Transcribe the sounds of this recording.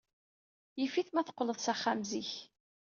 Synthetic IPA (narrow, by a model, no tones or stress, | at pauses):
jifiθmæθə̥qːləðˤsæχːamziç